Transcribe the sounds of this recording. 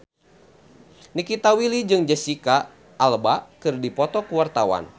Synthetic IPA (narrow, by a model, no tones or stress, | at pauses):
nikit̪awilid͡ʒɨŋd͡ʒəsikaː | lbakɨrdipɔt̪ɔkuwart̪awa̰n